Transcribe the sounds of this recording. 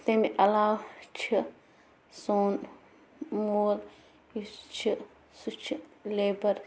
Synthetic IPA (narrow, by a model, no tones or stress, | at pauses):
t̪emiʔɐlaːwt͡ʃʰi | soːn | moːl | jut͡ʃʰi | sut͡ʃʰileːbɐɾ